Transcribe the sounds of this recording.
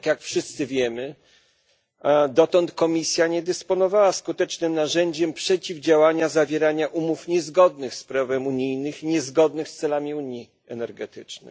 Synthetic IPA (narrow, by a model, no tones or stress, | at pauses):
kjakfʂɘst̪sɘvʲjɛmɘ | d̪ɔt̪ɔnt̪kɔmʲisʲjaɲɛd̪ɛspɔnɔvawaskut̪ɛt͡ʂnɘmnaʐɛɲd͡ʑɛmpʂɛt͡ɕivd͡ʑawaɲazavʲjɛɾaɲaʔumufɲɛzɡɔd̪nɘxspɾavɛmuɲijnɘxiɲɛzɡɔd̪̚nɘxst̪sɛlamʲiuɲi | ɛ̰nɛɾɡɛt̪ɘt͡ʂnɛ̰